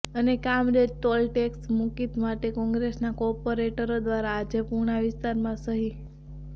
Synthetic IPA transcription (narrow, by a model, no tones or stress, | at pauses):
ənekamɾed͡ʒt̪ɔlʈeksmukit̪maʈekɔ̃ŋɡɾesnakɔɾpoɾeʈəɾod̪ʋaɾaːd͡ʒepuɾɳaʋɪst̪aɾmãsəɦi